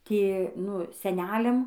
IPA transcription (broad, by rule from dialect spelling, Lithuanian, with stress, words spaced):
ˈtʲiɛ ˈnʊ sʲɛˈnʲæːlʲɛm